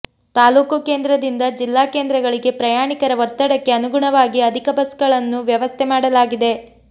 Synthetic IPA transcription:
t̪aːluːkukeːnd̪ɾɐd̪ind̪ɐd͡ʒilːaːke̞ːnd̪ɾɐɡɐɭiɡe̞pɾɐjaːɳikɐɾɐʋɔt̪ːɐɽɐkːe̞ɐnuɡuɳɐʋaːɡiɐd̪ʱikɐbɐsɡɐɭɐnːuʋjɐʋɐst̪ʰɛmaːɽɐlaːɡid̪e̞

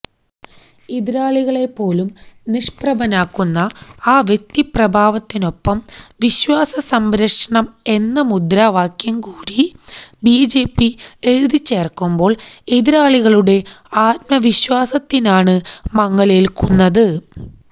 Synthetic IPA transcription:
iðiɾaːɭiɣɐɭe̞pːo̞ːlumniʂprɐbɐnaːkːunːɐaːʋje̞k̚t̪iprɐbʱaːʋɐt̪ːino̞pːɐmʋiɕwaːsɐsɐmbɾɐʂɐɳɐme̞nːɐmud̪ɾaːʋaːkjɐmkuːɾibiːd͡ʑe̞ːpːie̞ɻuðit͡ɕːe̞ːrkːumbo̞ːɭeðiɾaːɭiɣɐɭuɽe̞aːt̪̚mɐʋiɕwaːsɐt̪ːinaːɳɨmɐŋːɐlelkunːɐðɨ

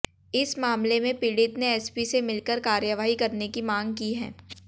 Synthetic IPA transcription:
ɪsmaːmlemẽpɪɽɪt̪neɛspisemɪlkəɾkaːɾjəʋaːɦikɐɾnekimãːŋɡ̚kiɦɛ̰̃ː

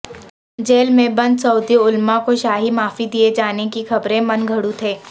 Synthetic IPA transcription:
d͡ʒeːlmẽbɐ̃nd̪sɐʊd̪jʊlmãkoʃaːɦimaːfid̪ied͡ʒaːnekixɐbɾẽmɐnɡʱɐɽut̪ʰeː

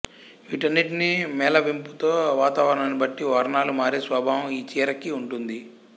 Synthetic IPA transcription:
ʋiʈɐnːiʈinimɛːlɐʋimput̪o̞ːʋaːt̪aːʋɐɾɐɳɐnibɐʈːiʋaːɾɐɳaːlumaːɾisʋaːbʱaːʋɐmiːt͡ʃiːɾɐkiuɳʈund̪i

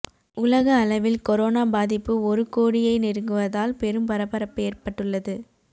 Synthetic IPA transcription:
ʊlɐɣɐːlɐʋɪlkɔɾoːnaːbaːðɪpːɯɔɾɯkoːɽɪjɐɪnɪɾɯŋɡɯʋɐðaːlpɛɾɯmpɐɾɐpːɐɾɐpːeːrpɐʈːɯɭːɐðɯ

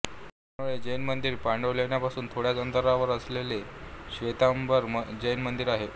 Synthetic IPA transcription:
t̪amuɭed͡ʑəjnmənd̪iːɾpaɳɖəʋljaɳjapasuːnt̪ʰoɽjat͡sənt̪əɾaʋəɾəsleleɕʋet̪ambəɾd͡ʑəjnmənd̪iɾaɦe

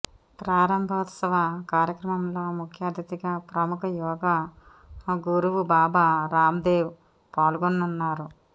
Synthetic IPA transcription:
pɾaːɾɐmbʱɐʋɐt̪sɐʋɐkaːɾjɐkɾɐmɐmlo̞ːmukʰjaːd̪ʱɐt̪iɡaːpɾɐmukɐjɔːɡɐ | ɡuɾuʋubaːbɐɾaːmd̪eːw | paːlɡonːunːaːɾu

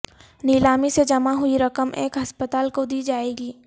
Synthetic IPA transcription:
niːlaːmised͡ʒɐmaɦʊiɾɐkəmʔḛ̃ːkɦɐspət̪aːlkod̪iːd͡ʒaːeːɡiː

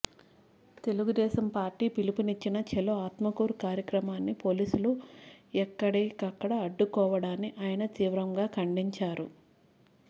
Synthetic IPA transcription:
t̪e̞luɡud̪ɛːʃɐmpaːɾʈiːpilipunit͡ʃːinɐt͡ʃɛloaːt̪mɐkuːɾukaːɾjɐkɾɐmaːnːipo̞ːliːsuluɛkːɐɽɛːkɐkːɐɽɐɐɖːukɔːʋɐɽaːnːiʔaːjɐnɐt̪iːʋɾɐŋɡaːkɐɳɖiɲt͡ʃaːɾu

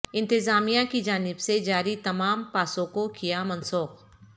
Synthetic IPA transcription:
ɪ̃nt̪ɪzaːmijãkid͡ʒaːnɪbsed͡ʒaːɾit̪ɐmaːmpaːsõkokijamɐ̃nsoːq

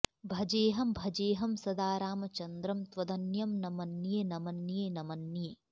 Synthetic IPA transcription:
bʱɐd͡ʒeːɦɐmbʱɐd͡ʒeːɦɐmsɐd̪aːɾaːmɐt͡ʃɐnd̪ɾɐmt̪ʋɐd̪ɐnjɐmnɐmɐnːjeːnɐmɐnːjeːnɐmɐnːieː

